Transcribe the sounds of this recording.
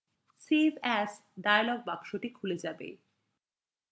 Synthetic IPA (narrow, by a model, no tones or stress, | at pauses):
sivɛsɖajalɔɡ̚bakʃoʈikʰuled͡ʑabḛ